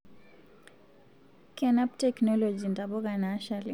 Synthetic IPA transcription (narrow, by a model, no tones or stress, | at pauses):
kɛnaptɛknɔlɔd͡ʒindabɔkanaʃali